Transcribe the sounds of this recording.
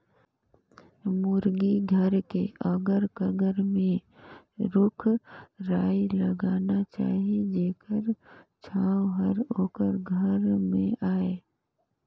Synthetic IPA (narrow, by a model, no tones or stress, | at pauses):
mʊɾɡiɡʱəɾkeʔəɡəɾkəɡəɾmẽ | ɾʊkʰɾaːiləɡaːnat͡ʃa̰ːɦid͡ʒeːkəɾt͡ʃʰaːwɦəɾoːkəɾɡʱəɾmẽʔaːe